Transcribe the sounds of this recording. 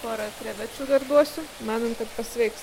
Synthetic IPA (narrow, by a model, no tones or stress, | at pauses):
poːɾɐt̪ʲɾʲɛʋʲæt͡ʃʲuːd̪ɐrd̪uɔsʲʊmɑːnoːmkɐt̪pɐsʲʋʲɛɪks